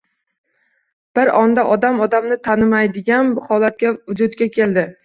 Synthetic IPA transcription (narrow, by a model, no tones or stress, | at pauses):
b̥ɪɾɒnd̪aʔɒd̪amɒd̪amnɪt̪ʰanɪmajd̪ɪɡʲanbʊhɒlat̪̚kʲavʊd͡ʒʊd̪ɡʲakʲʰe̞ld̪ɪ